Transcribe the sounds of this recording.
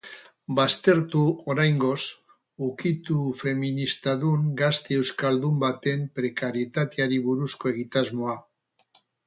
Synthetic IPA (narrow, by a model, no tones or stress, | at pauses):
bast̪e̞ɾt̪uoɾajŋɡo̞s | ukit̪ufe̞minist̪aðuŋɡast̪ee̞wskald̪umbat̪e̞mpɾe̞kaɾje̞t̪at̪eaɾiβuɾusko̞e̞ɣ̞it̪azmo̞a